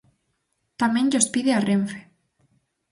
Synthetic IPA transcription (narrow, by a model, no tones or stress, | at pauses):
t̪amẽŋʎospiðeareɱfe̥